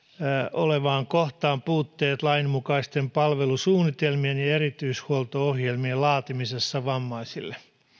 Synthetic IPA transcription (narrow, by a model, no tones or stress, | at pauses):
oleʋɑːŋkoht̪ɑːmpuːt̪ːeːt̪lɑinmukɑist̪empɑlʋelusuːnːit̪elmienjɑerit̪yishuolt̪oohjelmielɑːt̪imisesːɑʋɑmːɑisilːe